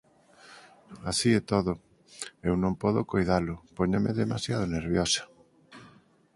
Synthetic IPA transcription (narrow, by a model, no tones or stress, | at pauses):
asiɛt̪oðʊ | ewnõmpɔðokojðalʊpoɲameðemasjað̞oneɾβjosḁ